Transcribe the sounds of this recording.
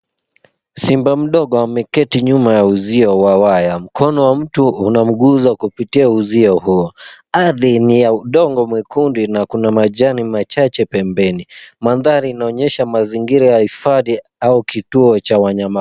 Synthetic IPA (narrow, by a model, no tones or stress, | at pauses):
simbam̩ɗɔɠɔamɛkɛtiɲumajauziɔwawajam̩kʰɔnɔwam̩tuunam̩ɠuzakupitiauziɔhuɔaðinijauɗɔŋɡɔmwɛkundinakunamaʄanimat͡ʃat͡ʃɛpɛmbɛnimanðaɾiːnaɔɲɛʃamaziŋɡiɾajahifaðiaukituɔt͡ʃawaɲama